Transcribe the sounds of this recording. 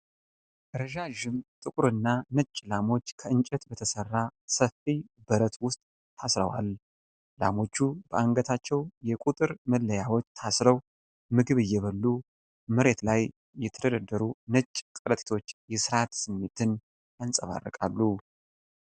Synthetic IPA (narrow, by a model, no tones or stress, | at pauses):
ɾəʒaʒɨmt̪ʼɨkʼuɾɨnːanət͡ʃʼːlamo̞t͡ʃːkʰəɨnt͡ʃʼɛt̪bət̪ʰəsərːasəfːibəɾət̪wʊst̪ʼ | t̪ʰasɾə̰wa̰l | la̰mo̞t͡ʃːubəʔaŋɡət̪ʰat͡ʃːɛwjɛkʼut̪ʼɨɾməlːəjawot͡ʃːt̪ʰasɾəw | mɨɡɨβɨjːɛβəlːu | mɨɾe̞t̪laj | jːɛt̪ʰəd̪əd̪əd̪ːəɾunət͡ʃʼːkʼələt̪ʼi̥t̪ʰo̞t͡ʃːjɛsɨɾat̪sɨmːet̪ʰɨn | jansʼəβa̰rːə̰kʼa̰lːu